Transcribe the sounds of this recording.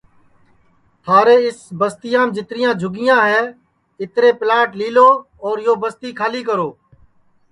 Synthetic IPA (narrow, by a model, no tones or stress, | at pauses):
t̪ʰaːɾeːɪsbəst̪ɪjãːmd͡ʒɪt̪ɾɪjãːd͡ʒʱʊɡɪjãːɦɛː | ɪt̪ɾeːplaːʈliːloː | ɔːɾjoːbəst̪iːkʰaːliːkəɾoː